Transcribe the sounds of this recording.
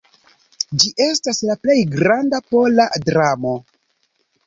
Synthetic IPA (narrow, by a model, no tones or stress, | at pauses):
d͡ʒiʔe̞staslaple̞jɡɾandapo̞ladɾamo̞